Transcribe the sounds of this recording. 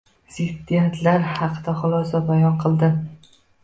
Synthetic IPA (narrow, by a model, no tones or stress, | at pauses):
z̥ɪd̪ːijat̪ʰlaɾhɑqʰd̪aχʊlˠɒsabajɒqʰɨlˠd̪ɪ